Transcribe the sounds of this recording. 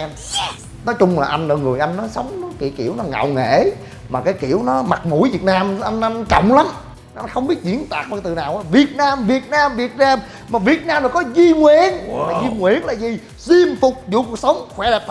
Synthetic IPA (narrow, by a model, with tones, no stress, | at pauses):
ɛ˧m | nɔ˨˦jt͡ɕʊ˧ŋ͡mlaː˨˩ʔa˧jŋ̟lə˧˩ŋɨ˨˩əjʔa˧jŋ̟nɔ˨˦jsə˨˦wŋ͡mnɔ˨˦kḭ˧˨˦kḭ˧˩əwnɔ˨˦ŋa̰˧˨wŋḛ˧˥ | maː˨˩kaː˨˦jki˧˩əwnɔ˨˦ma˨˩t̚mṵ˧˩˥jvi˨˩ət̚naː˧mʔa˧jŋ̟ʔa˧jŋ̟t͡ɕɔ̰˧˨wŋ͡mla˨˦mː˨˧˦ | xə˧wŋ͡mɓi˦˥ət̚zḭ˧˥ənt̪aː˨˩k̚ɓə˧t̪ɨ˨naː˨˩wʔaː˨˧˦vi˨˩ət̚naː˧mvi˨˩ət̚naː˧mvi˨˩ət̚naː˧m | maː˨˩vi˨˩ət̚naː˧mlɔː˨˩jkɔ˨˦zi˧ŋwi˧˨˩əna˨˩zi˧ŋwḭ˧˨ənlaː˨˩zi˨˩ | zi˧əmfʊ˨˩k͡p̚zṵ˨˧˨ku˨˩ək̚sə˨˦wŋ͡mxwɛ˧˦lɛː˨˩p̪̚ʰ